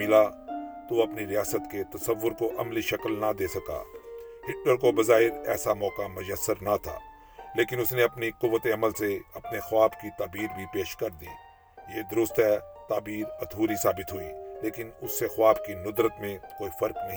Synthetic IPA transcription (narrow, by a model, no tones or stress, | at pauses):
ɪlat̪uɐpniɾɪjaːsət̪ket̪ɐsəʋːʊɾkoʔɐmliʃɐkəlnad̪eːsɐka̰ːhɪʈːəɾkobɐzaːɦɪɾɛ̰ːsamɔːkamʊd͡ʒəsːəɾnat̪ʰa̰ː | leːkɪnʊsneɐpnikʊʋːət̪eɐməlseɐpnexʊaːbkit̪aːbiːɾbʱipeːʃkɐɾd̪ḭː | jeːd̪ʊɾʊst̪ɦɛːt̪aːbiːɾɐt̪ʰuːɾisaːbɪt̪ɦʊḭːleːkɪnʊsːexʊaːbkinʊd̪ɾət̪mẽkoːifɐɾknɐɦĩ